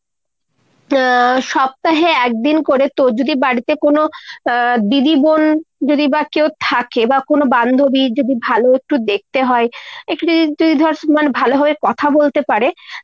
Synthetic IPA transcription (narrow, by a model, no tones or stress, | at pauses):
ʃɔb̚t̪aɦeɛk̚d̪inkoɾet̪od͡ʑod̪ibaɽit̪ekono | d̪id̪ibond͡ʑod̪ibakewt̪ʰakebakonoband̪ʱobid͡ʑod̪ibʱaloek̚ʈud̪ek̚t̪eɦɔeekʈud͡ʒ̪od̪id̪ʱɔɾsmanbʱaloɦɔbekɔt̪ʰabolt̪epaɾe